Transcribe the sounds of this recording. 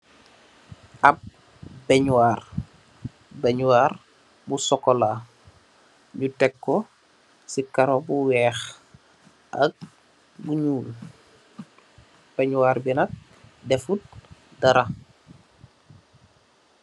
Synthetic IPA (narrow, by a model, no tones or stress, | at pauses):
ʔɐp̚ | bɛɲwaːr | bɛɲuwaːr | busɔkːɔla | ɲutɛkːɔ | sikaɾɔbuwɛːx | ʔɐk̚ | buɲuːl | b̥ɛɲwaɾbinɐk̚ | dɛfut̚dɐɾa